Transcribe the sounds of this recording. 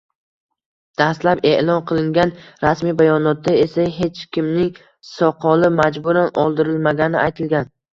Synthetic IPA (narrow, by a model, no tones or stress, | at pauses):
d̪̥aslape̞ʔlˠɒnqʰɨlˠɪŋɡʲanɾasmibajɒnɒt̪d̪ae̞saɦe̞t͡ʃkʲɪmnɪŋ | sɒqʰɒlɪmad͡ʒbʊɾanɒlˠd̪ɪɾɪlmaɡʲanɪʔajt̪ʰɪlɡʲan